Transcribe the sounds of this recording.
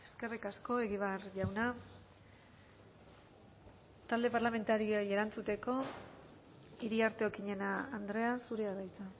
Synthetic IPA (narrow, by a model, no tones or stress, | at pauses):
e̞ske̞rikasko̞e̞ɣiβ̞arʝawna | t̪ald̪e̞paɾlame̞nt̪aɾioje̞ɾant͡sut̪e̞ko̞ | iɾiaɾt̪e̞okiɲe̞naːnd̪ɾe̞asuɾeaðajt͡sa